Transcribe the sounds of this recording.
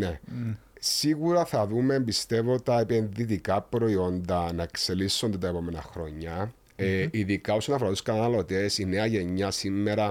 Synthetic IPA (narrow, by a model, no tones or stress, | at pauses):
ne̞ | siɣuɾɐθɐðume̞mbist̪e̞vo̞t̪ɐepe̞nðit̪ikɐpɾo̞io̞nd̪ɐnɐekse̞lisːo̞nd̪et̪ɐepo̞me̞nɐxɾo̞ɲːɐ | eiðikɐo̞sonɐfoɾɐt̪u̥skɐnɐɐlo̞t̪esine̞ɐʝe̞ɲːɐsimːe̞ɾɐ